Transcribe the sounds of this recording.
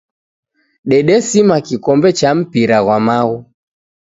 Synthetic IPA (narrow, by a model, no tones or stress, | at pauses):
ɗɛɗɛsimakikɔmbɛt͡ʃam̩piɾaɣwamaɣu